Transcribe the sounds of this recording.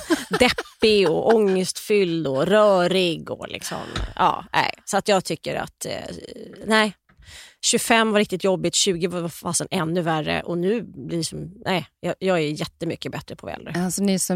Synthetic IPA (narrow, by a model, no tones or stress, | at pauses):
d̪ɛpːɪɡɔʔɔŋːəst̪fʏld̪ɔɾœːɾɪɡɔlʔɪ̰ksɔ̰mɑ̰ːʔæ̰ɪsɔat̪jɑːɡt̪ʰʏkːəɾa̰t̪ | næɪ | ɕɵfɛmːvaɾɪkt̪ɪt̪jɔbːɪt̪ɕʉ̟ːɡəvavafasənɛnːɵværə̰ʔɔnʉ̟ːblɪsɔmnʔæɪjɑjɑːɡæɾjɛt̪ːəmʏkːəbɛt̪ɾəpʰɔvɛ̰lːɾəasɔnɪsɔ